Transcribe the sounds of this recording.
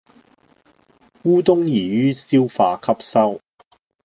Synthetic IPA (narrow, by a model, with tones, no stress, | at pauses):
kuː˥t̪ʊ˥ŋjiː˨˩jyː˥siː˥wfaː˨˧kʰɐ˥p̚sɐ˥w